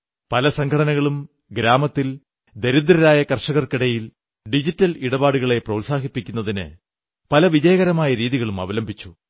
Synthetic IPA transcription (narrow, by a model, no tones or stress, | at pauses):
pɐlɐsɐŋkʰɐɽɐnɐɣɐɭum | ɡɾaːmɐt̪ːil | d̪e̞ɾud̪ɾɐɾaːjɐkɐrʂɐɣɐrkiɽɐjil | ɖid͡ʑitːɐliɽɐbaːɽuɣɐɭe̞prɐːsaːɦipːikʲːunːɐðinɨ̰ | pɐlɐʋid͡ʑɐjɐɣɐɾɐmaːjɐɾiːðiɣɐɭumɐ̰ʋɐlɐmbʱit͡ɕːu